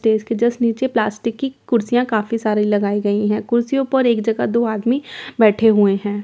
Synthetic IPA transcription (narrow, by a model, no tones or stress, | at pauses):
sʈeːskid͡ʒɐsniːt͡ʃeplaːsʈɪkːikʊɾsijãkaːfisaːɾilɐɡaːiɡɐiɦɛ̃ːkʊɾsijõpɐɾeːkd͡ʒɐɡad̪oːaːd̪mibɛːʈʰeɦueɦɛ̃ː